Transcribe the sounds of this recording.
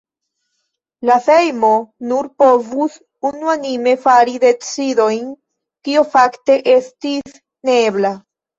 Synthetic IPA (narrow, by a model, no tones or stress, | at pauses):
lafe̞jmo̞nuɾpo̞vus | unuanime̞faɾide̞t͡sido̞jn | kiofakte̞ʔe̞stis | ne̞bla